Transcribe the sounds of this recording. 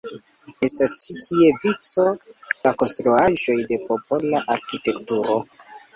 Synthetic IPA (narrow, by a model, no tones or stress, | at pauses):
e̞stast͡ʃitʰie̞vit͡so̞lako̞nstɾuaʒo̞jde̞po̞pʰo̞laʔaɾkite̞ktuɾo̞